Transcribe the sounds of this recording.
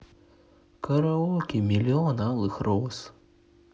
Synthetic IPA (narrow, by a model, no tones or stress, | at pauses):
kɐɾaɔkʲimʲilʲiɔnalˠɨxɾɔs